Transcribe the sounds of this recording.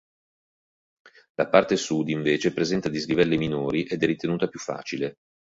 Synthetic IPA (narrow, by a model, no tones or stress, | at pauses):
lapart̪esud̪iɱveːt͡ʃepɾezɛnt̪ad̪izɡivɛlːiminoːɾiʔed̪ɛrːit̪enuːt̪apjufːa̰ːt͡ʃile